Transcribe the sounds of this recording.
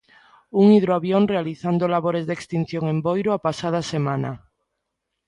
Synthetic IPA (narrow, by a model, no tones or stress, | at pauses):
uŋiðɾoaβjonrealiθand̪olaβoɾezðekst̪in̟θjõŋembojɾoapasað̞asemãna̰